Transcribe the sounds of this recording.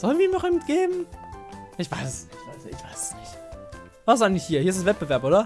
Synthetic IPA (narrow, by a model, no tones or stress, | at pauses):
z̥ɔlnviimɔχɪmtɡ̥eːbm̩ | ʔɪçv̥aɪsɛsɪçtv̥aɪsɪ̰çv̥aɪsɛ̥snɪçt | vaszaɪŋlɪçhiːɐhiːɐɪsɛsvɛt̚b̥əvɛɐpʔoːdɐ